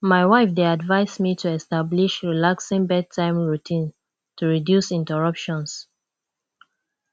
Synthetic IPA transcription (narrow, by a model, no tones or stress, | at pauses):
maɪwaɪfdeadvaɪsmitʰuɛstabliʃɹilaksĩŋbɛd̚tʰãɪ̃mɹutʰĩn | tʰuɹidjusĩntɛɹʌpʃɔ̃ns